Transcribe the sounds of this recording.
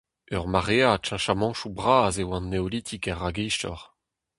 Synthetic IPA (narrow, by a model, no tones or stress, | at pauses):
œʁmaʁeat͡ʃɑ̃ʃamɑ̃ʃubʁaːzewɑ̃nːeolit̪ʰikɛʁːaɡɛjʃtɔ̰ʁ